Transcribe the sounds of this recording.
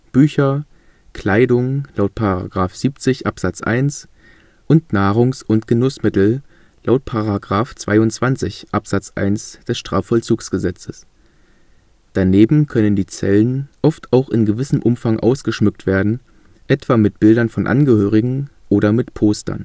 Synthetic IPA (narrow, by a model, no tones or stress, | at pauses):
b̥yːçɐ | kʰl̥aɪdʊŋlaʊt̚pʰaʁa̰ɡʁaːfz̥iːpt͡sɪçʔapz̥at͡sʔa̰ɪns | ʔʊntnaːʁ̞ʊŋsʔʊntɡ̥ənʊsmɪtl̩ | lʔaʊt̚pʰaʁaɡʁaːft͡sv̥aɪʊnt͡sv̥ant͡sɪçʔapz̥at͡sʔa̰ɪnsd̥ɛsʃtʁ̥aːfɔlt͡suːksɡ̥əzɛt͡səs | d̥aneːbm̩kʰœnəndiːt͡sɛ̰lənʔɔftʰaʊxɪnɡəvɪsəmʔʊmfaŋʔa̰ʊsɡ̥əʃmʏk̚tv̥eːɐdn̩ | ʔɛtv̥aːmɪt̚b̥ɪldɐnfɔnʔa̰nɡəhøːʁ̞ɪɡŋ̩ʔoːɾɐmɪtpʰoːstɐ̰n